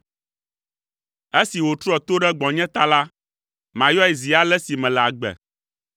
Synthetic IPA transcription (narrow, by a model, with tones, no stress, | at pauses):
e˦si˨wo˨t̪ɾu˦ɔ˦t̪o˦ɖɛ˦ɡ͡bɔ̃˨ɲɛ̃˦t̪a˦la˦ | mã˨jɔ˦ɛ˨zi˨a˦lɛ˦si˨mɛ̃˨lɛ˨a˨ɡ͡bɛ̰˨